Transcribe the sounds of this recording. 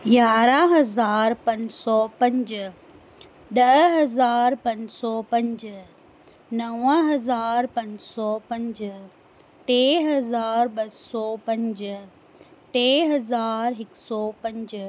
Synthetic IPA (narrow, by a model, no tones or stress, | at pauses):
ɡaːɾaɦɐzaːɾpɐ̃ɲsɔpɐ̃ɲd͡ʑ | ɗɐɦɦɐzaːɾpɐ̃ɲd͡ʑsɔpɐ̃ɲd͡ʑə | nɐʋəɦɐzaːɾpɐ̃ɲsɔpɐ̃ɲd͡ʑ | ʈeːɦɐzaːɾɓɐsɔpɐ̃ɲd͡ʑə | ʈeːɦɐzaːɾɦɪksɔpɐ̃ɲd͡ʑ